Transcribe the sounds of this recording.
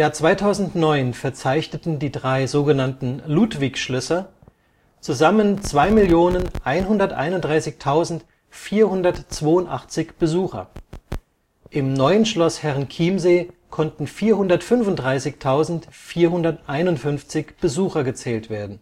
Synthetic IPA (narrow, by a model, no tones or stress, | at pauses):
ɪmjaːɐt͡sv̥aɪtʰaʊzn̩tnɔʏnfɛɐt͡saɪçnətn̩diːdʁaɪzoːɡənantn̩luːtv̥ɪçʃlʏsɐ | t͡suzamənt͡sv̥aɪmɪljoːnənʔaɪnɦʊndɐtʔa̰ɪnʊnd̥ʁaɪsɪçtʰaʊzn̩t | fiːɐhʊndɐtt͡sv̥oːʊntʔa̰χt͡sɪçb̥əzuːxɐ̰ | ʔɪmnɔʏənʃlɔshɛʁnkʰiːmzeːkʰɔntn̩fiːɐɦʊndɐtfʏnvʊntdʁaɪsɪçtʰaʊzn̩tfiːɐɦʊndɐtʔaɪnʊntfʏnft͡sɪçb̥əzuːxɐɡət͡sɛːltv̥eːɐdn̩